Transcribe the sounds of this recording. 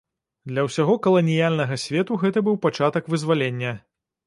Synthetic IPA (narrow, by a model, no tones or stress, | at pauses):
d̪lʲɐwsʲaɣɔkɐlˠɐnʲijalʲnɐɣɐsʲvʲɛt̪uɣɛt̪ɐbɨwpat͡ʂat̪ɐkvɨzʲvalʲenʲːɐ